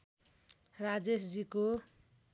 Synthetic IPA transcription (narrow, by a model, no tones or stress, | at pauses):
rad͡zesd͡ziko